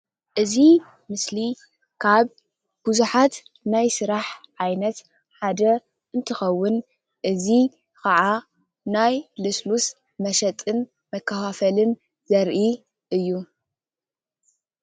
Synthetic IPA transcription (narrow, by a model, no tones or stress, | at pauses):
ʔɨzi | mɨsli | kʰaβ | b̥uzuħat̪ | najsɨɾaħʕajnɐt̪ | ħad̪ɐ | ɨnt̪ʰɨxɐwːʊn | ʔɨzi | kʰɐʕa | najlɨslus | mɐʃɐt̪ʼɨn | mɐkʰːɐfafɐlɨn | zɐɾʔi | ʔɨjːu